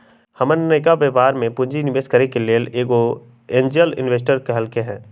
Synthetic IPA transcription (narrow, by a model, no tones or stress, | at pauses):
hɐmənːəɪk̬aʋeʋaːɾmẽpʊ̃ɲd͡ʒinɪʋeːskəɾikeleːleːɡo | ẽːnd͡ʒiəlɪ̰nʋeːs̬ʈəɾkeɦəlkeɦɛ̃ː